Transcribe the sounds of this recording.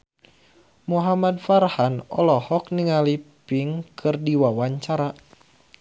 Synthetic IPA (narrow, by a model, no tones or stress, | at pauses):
muɦamadfarhanɔ̰lɔhɔkniŋalipiŋkʰɨrdiwawaɲt͡ʃaɾa